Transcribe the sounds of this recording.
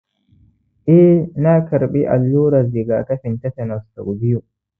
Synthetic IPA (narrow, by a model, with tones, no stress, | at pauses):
ʔɛ˦na˦kɐ˨ɾɓi˦ʔa̰˨lːuː˦ɾa˨zi˨ɡa˨ta˦ɸɪ˨nta˦tɛ˨nɔ˨sta˨ɡbi˦jo˨